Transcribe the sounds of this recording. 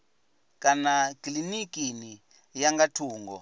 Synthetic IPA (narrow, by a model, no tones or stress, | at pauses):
kʼanakʼlinikʼini | jaŋɡatʰuːŋɡɔ̰